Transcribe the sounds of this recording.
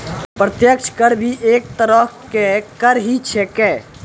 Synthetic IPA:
pɾət̪jəkʃʰkəɾbʱiʔeːk̚t̪əɾəkekəɾɦit͡ʃʰekeː

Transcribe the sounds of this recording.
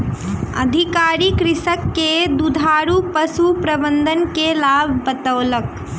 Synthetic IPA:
ə̰d̪ʱikaɾikɾisəkːed̪ud̪ʱaɾupəsupɾəbənd̪ʱənkelabʱbət̪əʊlək

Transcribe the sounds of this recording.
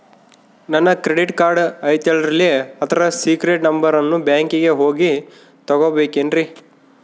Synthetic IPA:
nɐnːɐkɾeɽiʈkaːɾɖɐjt̪ɐlɾɐlːieɐt̪ʰɐɾɐsiːkɾeʈnɐmbɐɾɐnːubjaːŋkiɡe̞ɦoːɡi | t̪ɐɡobeːkenɖɾi

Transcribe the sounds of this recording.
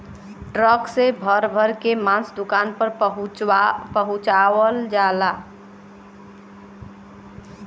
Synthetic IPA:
ʈɾəksebʱəɾbʱəɾkemãsd̪ukanpəɾɦpəɦut͡ʃawəld͡ʒala

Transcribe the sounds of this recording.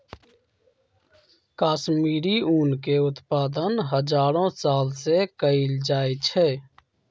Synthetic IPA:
kaːʃmiːɾiuːnkeʊt̪paːd̪ənɦəd͡ʒaːɾõsaːlsekəild͡ʒaːet͡ʃʰɛː

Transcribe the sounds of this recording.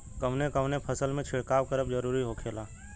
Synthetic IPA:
kəmnekəmnepʰəsəlmẽt͡ʃʰɪɽkaːwkəɾəb̚d͡ʒəɾuːɾiɦokʰeːlaː

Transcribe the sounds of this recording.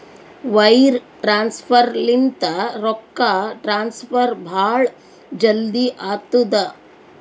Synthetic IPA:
ʋɐjɾʈɾaːnspʰɐɾlint̪ɐɾɔkːaʈɾaːnspʰɐɾbʱaːɭ | d͡ʒɐld̪iʔaːt̪ud̪ɐ

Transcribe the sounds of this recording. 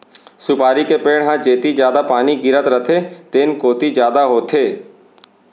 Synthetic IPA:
sʊpaːɾikepeːɽɦãd͡ʒeːt̪id͡ʒjaːd̪apaːniɡɪɾət̪ɾət̪ʰet̪eːnkoːt̪id͡ʒjaːd̪aɦoːt̪ʰeː

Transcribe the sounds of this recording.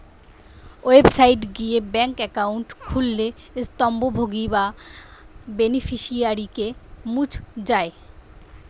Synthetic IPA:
oebsajʈɡiebɛŋkɛkawɳʈkʰulːe | st̪ɔmbobʱoɡiba | benifʰiʃiaɾikemut͡ɕʰd͡ʑae

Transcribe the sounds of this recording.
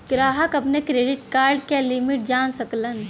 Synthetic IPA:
ɡɾaːɦəkɐpnekɾeːɖɪʈkaːɾɖkelimɪʈ̚d͡ʒaːnsəklən

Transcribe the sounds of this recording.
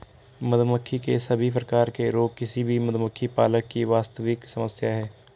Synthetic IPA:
məd̪məkʰːikesɐbʱip̬ɾəkaːɾkeɾoːp̚kɪsibʱimɐd̪məkʰːipaːləkːiʋaːst̪əʋɪksəməsjaɦɛː

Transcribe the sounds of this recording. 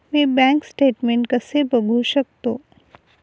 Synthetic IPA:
mẽbɛ̃ŋksʈeːʈmẽɳʈkɐsebəɡʱuʃək̚t̪oː

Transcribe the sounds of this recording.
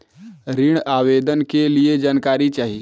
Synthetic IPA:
ɾiɽ̃aːwed̪ənkelied͡ʒaːnkaːɾit͡ʃaːɦi

